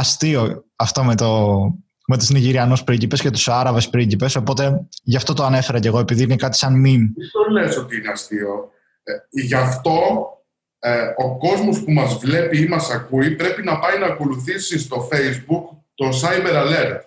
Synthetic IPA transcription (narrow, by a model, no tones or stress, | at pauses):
ɐst̪io̞ɐft̪o̞met̪o | met̪isniʝiɾiɐnuspɾicipe̞sce̞t̪u̥sɐɾɐve̞spɾicipe̞so̞po̞t̪e̞ʝɐft̪o̞t̪oɐne̞fe̞ɾɐce̞ɣo̞e̞piðiinekɐt̪i̥sɐnminist̪ole̞so̞t̪iineɐst̪io̞ | ʝɐft̪o̞ | oko̞zmo̞spumɐzvle̞piimɐsɐkuipɾe̞pinɐpɐjnɐːko̞luθisis̬t̪o̞fejzbukt̪o̞sɐjmeɾɐleɾt̪